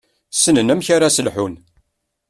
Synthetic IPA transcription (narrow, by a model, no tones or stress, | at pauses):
sənənæmçaɾasəlħun